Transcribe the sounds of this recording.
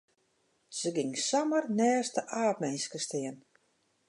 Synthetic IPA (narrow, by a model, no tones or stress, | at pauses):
z̥əɡɪŋsamərnɛːstəʔaːpmɛjnskəstɪən